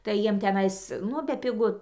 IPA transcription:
tɐɪ ˈjiɛm tʲɛˈnɐɪs ˈnʊ bʲɛpʲɪˈɡʊ

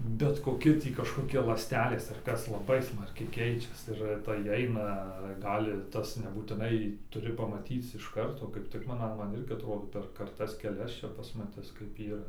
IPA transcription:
bʲɛt koːˈkʲɪ tʲiː kɐʃkoːˈkʲɪ lˠɑːsʲˈtʲæːlʲeːs ɐr ˈkɐs lˠɐˈbɐɪ ˈsmɐrʲkʲɛɪ ˈkʲɛɪt͡ʃʲɛs ɪr tɐɪ ˈɐɪnɐ ˈɡɑːlʲɪ ˈtɐs nʲɛbuːtʲɪˈnɐɪ tʊˈrʲɪ pɐmɐˈtʲiːt͡s ɪʃ ˈkɐrtoː kɐɪp ˈtʲɪk mɐn ɐ ˈmɐn ˈɪrʲɡʲɪ ɐtˈroːdoː pʲɛr kɐrˈtɐs kʲɛˈlʲɛs ˈt͡ʃʲɛ pɐsmɐˈtʲɪs kɐɪp iːˈrɐ

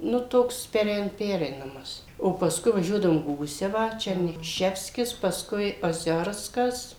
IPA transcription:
nʊ ˈtoːks pʲɛˈrʲɛɪn ˈpʲæːrʲɛɪnɐmɐs oː pɐˈskʊɪ ʋɐˈʒʲuɔdɐʋoːm ˈɡuːsʲɛʋɑː ˈt͡ʃʲɛrʲnʲiː ˈʃʲæːwsʲkʲɪs pɐsˈkʊɪ oːˈzʲoːrskɐs

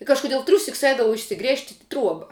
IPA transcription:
ɪ kɐʃkʊˈdʲiɛlˠ ˈtʲrʲuːsʲɪks ˈɛɪdɐʋɐʊ ɪʃʲsʲɪˈɡrʲeːʃʲtʲ ɪ ˈtruɔbɐ

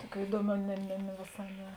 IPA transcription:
ˈtuɔˌkʲuː ˈiːduɔˌmʲuː nʲɛ nʲɛ nʲɛ ʋʲeːˈsɑː ˈnʲɛ

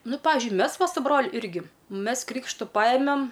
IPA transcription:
ˈnʊ ˈpɑːʋʲɪʒʲʊɪ ˈmʲɛs ˈʋɐ sʊ ˈbroːlʲʊ ˈɪrʲɡʲɪ ˈmʲɛs ˈkrʲiːkʃtʊ ˈpɑːjɛmʲɛm

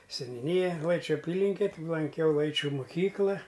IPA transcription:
sʲɛnʲuːˈnʲɪjɛ ˈlˠɐɪt͡ʃʲʊ ɐˈpʲiːlʲɪŋʲkʲɛ tʲɪ lˠɐŋʲˈkʲɛʊ ˈlˠɐɪt͡ʃʲʊ mʊˈkʲiːklˠɐ

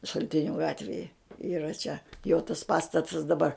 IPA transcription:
ʃɐlʲˈtʲɪnʲʊ ˈɡɑːtʲʋʲeːjɛ iːˈrɐ t͡ʃʲɛ joː tɐs ˈpɑːstɐtɐs dɐˈbɐr

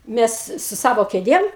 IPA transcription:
ˈmʲɛs sʊ ˈsɑːʋoː kʲeːˈdʲeːm

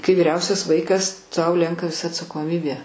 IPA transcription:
kɐɪ ʋʲiːˈrʲɛʊsʲɛs ˈʋɐɪkɐs tɐʊ ˈlʲɛŋkɐ ɐtsɐkoːˈmʲɪbʲeː

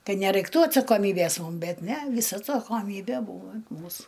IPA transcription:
ˈkɐt nʲɛrɐɪkˈtuː ɐtsɐkoːˈmʲiːbʲeːs ˈmʊm ˈbʲɛt ˈnʲɛ ˈʋʲiːsɐ ɐtsɐkoːˈmʲiːbʲɛ ˈbuːʋɐ ɐnt ˈmuːsʊ

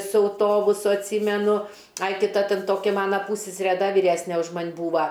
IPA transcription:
sʊ ɐʊˈtoːbʊsʊ ɐtʲˈsʲiːmʲɛnʊ ˈɐɪ ˈtʲɪ ˈtɐ ˈtʲɛn ˈtoːkʲɪ ˈmɑːnɐ ˈpuːsʲsʲɛsʲɛrʲɛ ˈdɐ ʋʲiːˈrʲæːsʲnʲɛ ʊʃ ˈmɐnʲ ˈbuːʋɐ

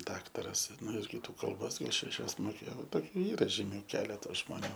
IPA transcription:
ˈdɑːktɐrɐs ˈnʊ ɪr kʲɪˈtuː kɐlˠˈboːs ʃʲɛˈʃʲɛs moːˈkʲeːjoː ˈtoːˈkʲuː ˈiːrɐ ʒʲiːˈmʲʊ ˈkʲæːlʲɛtɐ ʒmoːˈnʲuː

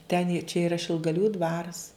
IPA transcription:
tʲɛn ɪ t͡ʃʲɛ ˈɪrɐ ʃʲɪlˠɡɐˈlʲuː ˈdʋɑːrɐs

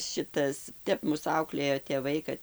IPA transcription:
ˈʃʲɪtɐs ˈtʲɛp ˈmʊs ˈɐʊklʲeːjoː tʲeːˈʋɐɪ kɐt

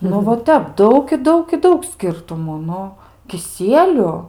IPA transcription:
nʊ ʋɐ ˈtʲɛp ˈdɐʊk ɪ ˈdɐʊk ɪ ˈdɐʊk ˈsʲkʲɪrtʊmuː ˈnʊ kʲɪˈsʲiɛlʲʊ

